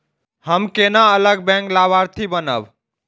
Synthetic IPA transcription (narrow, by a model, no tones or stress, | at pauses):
həmkenaələɡ̚bɛ̃ŋklaβaɾt̪ʰibənə̰b